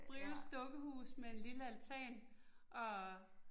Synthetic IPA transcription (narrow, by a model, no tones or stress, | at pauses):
b̥ʁil̩sd̥ɔ̽ɡ̥əhṵːsmeenliləælt͡sʰɛ̰ːnʔɒ̽